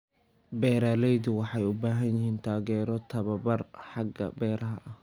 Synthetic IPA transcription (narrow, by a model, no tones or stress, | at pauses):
bɛːɾaːlɛjðʊwɑħɑjʊbaːɦɐnjɪɦiːnt̪ʰaːɣɛːɾɔt̪ʰɐβɐbɐrħɑɡɐ̰bɛːɾɐɦɐ̰ʔɐh